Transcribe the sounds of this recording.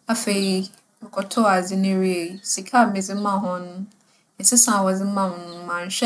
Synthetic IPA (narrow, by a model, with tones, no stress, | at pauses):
a˦fe˨ɾi˦˨ | kʰɔ˨tʰɔ˦˨a˨d͡zɪ˦nɪ̃˦ɾi˦e˨si˨kʰa˦˨mɪ̃˨d͡zɪ˦m̩˦mã˦ɦʊ̃˦nʊ̃˦˨ | n̩˨sɪ˦sã˨wɔ˨d͡zɪ˦mã˦˨hʊ̃˨nʊ̃˦mã˨n̩˨ɕᶣɛ˦